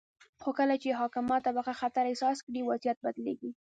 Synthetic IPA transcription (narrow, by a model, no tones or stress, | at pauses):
xokəlat͡ʃeɦɑkɪmɑt̪ːabaxaxat̪aɾɪsɑskɽiwazjat̪̚bad̪leɡi